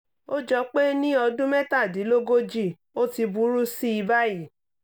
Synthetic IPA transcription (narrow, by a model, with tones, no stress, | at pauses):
o˦d͡ʒɔ˧k͡pe˦nĩ˦ɔ˧dũ˦mɛ̃˦ta˦˨di˨˦lo˦ɡo˦d͡ʒi˦˨ | o˦ti˧bu˨˦ɾu˦si˦i˧ba˦ji˦˨